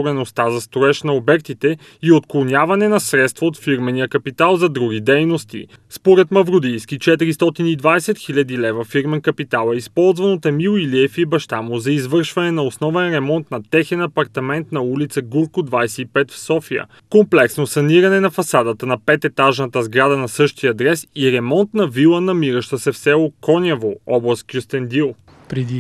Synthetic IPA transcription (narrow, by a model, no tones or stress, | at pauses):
ɾɛnost̪azɐst̪oɛʃnɐobɛk̚t̪it̪ɛ | iot̪klˠonʲjavɐnɛnɐsɾɛt̪st̪vəot̪fiɾmɛnijəkɐpit̪alˠzɐd̪ɾuɡ̟ʲid̪ɛjnost̪ḭ | spoɾɛt̪mɐvɾʊd̪ijskit͡ʃɛt̪iɾist̪ɔt̪inid̪vasɛt̪xilʲɐd̪ilɛvəfiɾmɛnkəpit̪alˠɛispɔlˠzvɐnot̪ɐmilˠiliɛfibɐʃt̪amozɐizvɤɾʃvɐnɛnɐosnɔvɛnɾɛmɔnt̪nɐt̪ɛxɛnɐpɐɾt̪ɐmɛnt̪nɐulit̪səɡuɾkʊd̪vajsɛipɛt̪fsɔfiə̰ | komplɛksnosɐniɾɐnɛnɐfɐsad̪ət̪ənɐpɛt̪ɛt̪aʒnɐt̪əzɡɾad̪ɐnɐsɤʃt̪iəd̪ɾɛsiɾɛmɔnt̪nɐvilˠənɐmiɾəʃt̪əsɛfsɛlˠokɔnʲavoɔblˠəskjust̪ɛnd̪ilˠ | pɾɛd̪i